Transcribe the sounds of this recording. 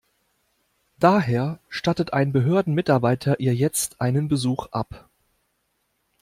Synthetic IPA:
d̥aːɦeːɐʃtatətʔa̰ɪnbəɦøːɐdn̩mɪtaɐbaɪtʰɐʔiːɐjɛt͡stʔaɪnənbəzuːxʔa̰p

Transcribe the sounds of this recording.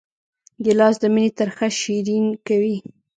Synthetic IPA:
ɡɪlɑsd̪əminit̪əɾxaʃiɾinkawi

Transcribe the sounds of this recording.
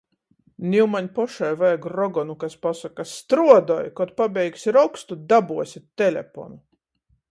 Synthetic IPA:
nʲiwmaɲʲpɔʃajvajɡɾɔɡɔnukaspasakast̪ɾuɔd̪ɔjkɔt̪pabʲɛjksʲiɾɔwkst̪ud̪abuɔsʲit̪̚ʲt̪ːɛlʲɛ̰pɔ̰nu

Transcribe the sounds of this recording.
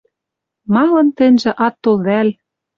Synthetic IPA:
mɑlɤ̆nt̪ɘ̆nʲʒĕʔɑt̪ːolβæl

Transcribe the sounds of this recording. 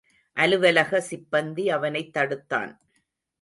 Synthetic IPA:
ʔɐlɯʋɐlɐɣɐsɪbːɐnd̪iɐʋɐnɐɪt̪ːɐɽɯt̪ːa̰ːn

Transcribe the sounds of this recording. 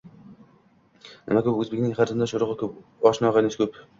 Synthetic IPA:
nɪ̰makɵpɵzbekʲnɪŋχaɾt̪ɪnd̪aʃoɾʊʁɨkʰɵpɒʃnɒʁɑnɪskʰʲɵp

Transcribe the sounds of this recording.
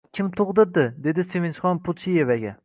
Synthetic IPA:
kʲʰɪmt̪ʰʊʁd̪ɪɾd̪ɪd̪e̞d̪ɪsevenʃχɒnpʰʊt̪t͡ʃije̞vaɡʲa

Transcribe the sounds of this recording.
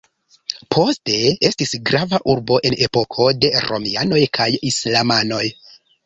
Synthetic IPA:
pʰo̞ste̞e̞stisɡɾavaʔuɾbo̞ʔe̞ne̞po̞kʰo̞de̞ɾo̞̰miano̞jkʰajislamano̞j

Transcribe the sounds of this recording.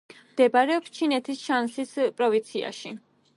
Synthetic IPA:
md̪̥ɛbaɾɛɔpst͡ʃʰinɛt̪ʰisʃansispʼɾɔvint̪sʰia̰ʃi

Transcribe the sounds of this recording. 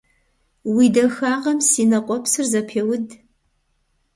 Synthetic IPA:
widɐxaːʁɐmsiːnɐqʷʼɔpsɨrzɐpʰeːwʊd

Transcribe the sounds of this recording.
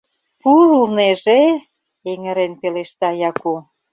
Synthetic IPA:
pulneʒe | eŋə̆ɾenpeleʃt̪ɑjɑko

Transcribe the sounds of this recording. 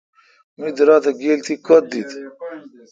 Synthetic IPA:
mid̪əɾat̪aɡelt̪ikot̪̚d̪it̪

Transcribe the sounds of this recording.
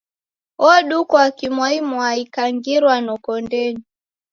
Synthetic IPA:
ɔɗukɔakimwaimuaikaŋɡiɾwanɔkɔndɛni

